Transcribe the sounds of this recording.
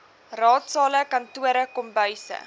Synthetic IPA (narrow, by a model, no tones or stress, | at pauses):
rɑːtsɑːləkɐntuəɾəkɔmbœɥsə̰